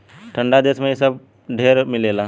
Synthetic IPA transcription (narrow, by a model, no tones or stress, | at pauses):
ʈʰə̃ɳɖad̪eːsmẽjesəb̚ | ɖʱeːɾmɪleːla